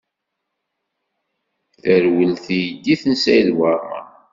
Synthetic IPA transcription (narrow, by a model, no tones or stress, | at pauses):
θəɾwəlθijd̪ːiθənsæjlwamə̰